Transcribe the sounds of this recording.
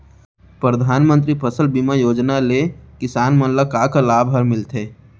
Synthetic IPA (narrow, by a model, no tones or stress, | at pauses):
pɾəd̪ʱaːnmə̃nt̪̬ɾipʰəsəlbimajoːd͡ʒnalekɪsaːnmə̃nləkaːkalaːbʱɦəɾmɪlt̪eː